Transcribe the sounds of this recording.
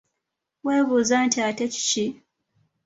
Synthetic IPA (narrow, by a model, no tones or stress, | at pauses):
we̞ːβuːzantiateci̥ci